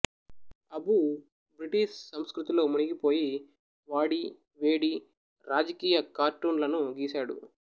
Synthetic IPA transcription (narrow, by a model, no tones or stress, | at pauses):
ɐbu | bɾiʈiʃsɐmskɾut̪ilo̞ːmuɳiɡipo̞ːji | ʋaːɽi | ʋeːɽi | ɾaːd͡ʒɐkiːjɐkaːɾʈːuːnlɐnuɡiːsaːɽṵ